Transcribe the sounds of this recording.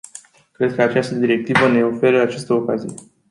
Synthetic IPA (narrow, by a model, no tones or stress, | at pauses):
kɾe̞d̪̚kəat͡ʃast̪əd̪iɾe̞k̚t̪ivəne̞o̞fe̞ɾəat͡ʃast̪əokazije̞